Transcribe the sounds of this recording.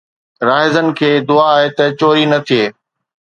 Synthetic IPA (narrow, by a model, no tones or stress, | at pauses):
ɾaːɦɪzənɪ̆kʰeːd̪ʊaaːɦet̪ɐt͡ɕoːɾinɐt̪ʰieː